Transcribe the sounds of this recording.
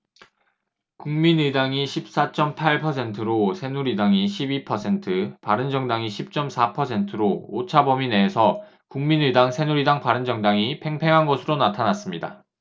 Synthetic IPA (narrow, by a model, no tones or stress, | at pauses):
kuŋminɯdaŋiɕʰip̚s͈at͡ɕ͈ʌmpʰaɭpʰʌsʰe̞ntʰɯɾosʰe̞nuɾidaŋiɕʰibipʰʌsʰe̞ntʰɯpaɾɯnd͡ʑʌŋdaŋiɕʰip̚t͡ɕ͈ʌmsʰapʰʌsʰe̞ntʰɯɾoot͡ɕʰabʌmineːsʰʌ | kuŋminɯdaŋsʰe̞nuɾidaŋpaɾɯnd͡ʑʌŋdaŋipʰe̞ŋpʰe̞ŋɦanɡʌsʰɯɾonatʰanas͈ɯmɲida̰